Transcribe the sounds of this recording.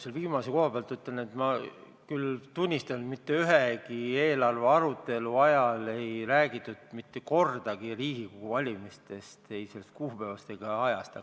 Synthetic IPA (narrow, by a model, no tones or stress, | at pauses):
selviːmɑseko̞hɑbeɑlt̪ːyt̪ːˑelnet̪mɑ | kylt̪unʲːist̪ɑnu̥mit̪ːe̞yɦeɡie̞ːlɑrve̞ɑɾut̪ːˑe̞luɑjɑle̞jræːɡit̪ːˑud̪̥mit̪ːe̞ko̞rd̪̥ɑɡ̥iriːɡikoɡ̥uvɑlʲimist̪e̞st̪e̞jse̞lːest̪̚kuːpevɑst̪eɡ̥ɑɑjɑst̪ɑ